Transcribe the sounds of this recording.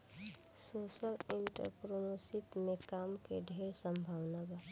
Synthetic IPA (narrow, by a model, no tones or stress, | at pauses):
soːsəlɪɳʈə̰ɾpɾonosɪt̪mekaːmkeɖʱeɾsəmbʱaːwnaba